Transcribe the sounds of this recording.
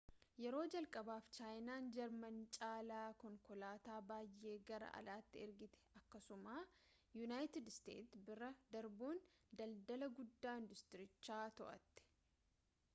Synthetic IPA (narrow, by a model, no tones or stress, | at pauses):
jɛɾo̞ːd͡ʒɐlkʼɐbaːft͡ʃaːjnaːnd͡ʒɐɾmɐnt͡ʃʼaːlaːkɔŋkɔlaːt̪aːbaːjːe̞ːɡɐɾɐ̰ʔɐ̰laːt̪ːɪɪɾɡɪt̪ɛ̥ɐkːɐsʊmaː | junaːjt̪ɪd̪st̪ḛːt̪bɪɾɐd̪ɐɾbuːnd̪ɐld̪ɐlɐɡʊd̪ːaːɪnd̪ʊst̪ɪɾɪt͡ʃːaːt̪ɔʔɐ̰t̪ːɪ̥